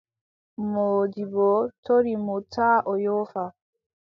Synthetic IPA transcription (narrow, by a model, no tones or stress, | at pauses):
moːdibɔtʰoɾimutʰaːʔɔjɔfa